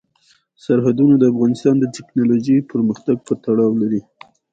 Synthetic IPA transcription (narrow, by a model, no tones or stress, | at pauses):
saɾɦad̪unod̪əafɣɑnɪst̪ɑnd̪ətɪknɑloʒəjpəɾməxt̪aɡ̚pət̪aɽɑwlaɾi